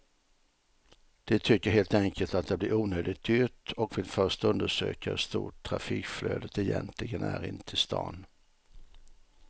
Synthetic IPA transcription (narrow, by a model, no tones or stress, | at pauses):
d̪̥ɛt̪ʰʏkːəɾɦeːlt̪ɛŋkʰəlt̪at̪̚d̪ɛblɪɾuːnøːd̪ɪt̪̚ʏt̪ɔkvɪlfœʂt̪ɵnd̪əʂø̰ːkaɛst̪ṵːʈʰːɾa̰fiːkfløːd̪ət̪ɛjɛnt̪ʰlɪɡənæɾɪ̰nt̪ʰɪst̪ɑ̰ːn